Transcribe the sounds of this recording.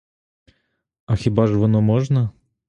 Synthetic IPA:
ɐxʲɪbaʐvɐnomoʐnə

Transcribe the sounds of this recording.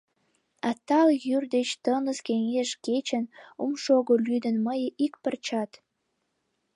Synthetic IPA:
ɑt̪ɑljyrd̪et͡ɕt̪ənəskeŋeʃket͡ɕənumʃoɣolyd̪ə̆nməjʔikpərt͡ɕɑt̪

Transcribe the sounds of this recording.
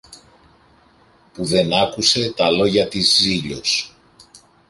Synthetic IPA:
puðe̞nɐkuse̞t̪ɐlo̞ʝɐt̪izːiʎo̞s

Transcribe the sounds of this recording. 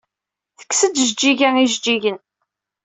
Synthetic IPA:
θə̥kːsəd̪ʒd͡ʒːiʝæiʒd͡ʒiʝən

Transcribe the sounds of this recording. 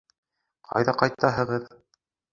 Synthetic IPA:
qʰɑ̰jðɑqɑjt̪ːɑɦɤ̆ʁɤð

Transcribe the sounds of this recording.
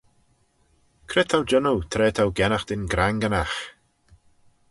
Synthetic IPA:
kʰɾɪt̪ʰawd͡ʒənut̪ʰɾɛːt̪ʰawɡɛnaxd̪̥ɪnɡɾaŋɡənax

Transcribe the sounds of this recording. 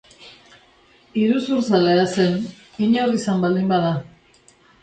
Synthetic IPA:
iɾusuɾsaleasen | iɲorisambald̪imbaða

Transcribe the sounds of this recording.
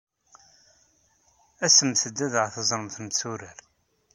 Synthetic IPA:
æsəmθəd̪ːæðəʁθəzˤɾəmθmθuɾəɾ

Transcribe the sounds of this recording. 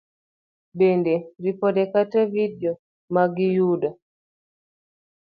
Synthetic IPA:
bɛndɛɾipɔdɛkatɛvidiɔ | maɡijuda

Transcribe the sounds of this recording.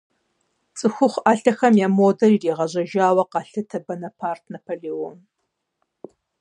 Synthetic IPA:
t͡sʼɨxʷʊχʷaːɬɐxɐmjamoːdɐririːʁɐʑɐʒaːwɐqɑɬɨtʰɐbɐnɐpʰaːrtʰnɐpʰolewon

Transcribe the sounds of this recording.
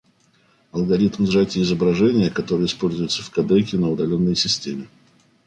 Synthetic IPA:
ɐlˠɡɐɾʲit̪mzʐatʲɪːzəbɾɐʐɛnʲɪjəkɐt̪o̞ɾɨjəɪspo̞lʲzʊjʊt̪səfkɐd̪ɛjkʲɪnəʊd̪ɐlʲo̞nːəjsʲɪsʲtʲemʲɪ

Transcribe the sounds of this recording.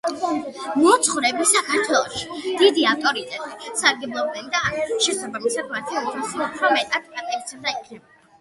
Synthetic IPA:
mɔt̪sʰχɾɛbisakʰaɾt̪ʰwɛlˠɔʃi̥d̪̥id̪iaft̪ʼɔɾit̪ʼɛt̪ʼisaɾɡɛblˠɔbɛnd̪aːʃɛsabamisad̪mat̪ʰit̪ʰisiat̪ʰamɛt̪ʼat̪̚ɡat̪ʼait̪sʰɛbd̪aikʰnɛba

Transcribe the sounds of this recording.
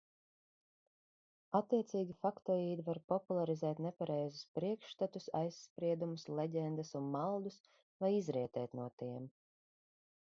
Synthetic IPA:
at̪ːiɛt̪siːɡʲifakt̪ɔiːd̪ivaɾpɔpulˠaɾizɛːt̪nɛpaɾɛjzuspɾiɛkʃt̪at̪usa̰jsːpɾiɛd̪umuslˠɛɟʲɛnd̪ɨsunmalˠd̪us | vajizɾiɛt̪ɛːt̪nuɔt̪iɛm

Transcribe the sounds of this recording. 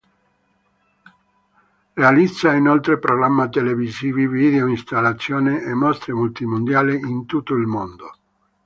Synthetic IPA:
realid̪zːainolt̪ɾepɾoɣɾamːat̪eleviziːvivid̪eoinst̪alːat̪sːjoːneʔːmːɔst̪ɾemult̪imond̪jaːleint̪ut̪ːoilmond̪o

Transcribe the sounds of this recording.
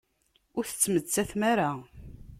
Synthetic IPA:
ʊɾθə̥t͡sːmət͡sːæθmaɾa

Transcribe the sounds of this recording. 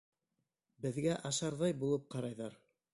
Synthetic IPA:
bɘ̆ðɡæʔɑʃɑɾðɑjbulˠɤp̚qɑɾɑjðɑɾ

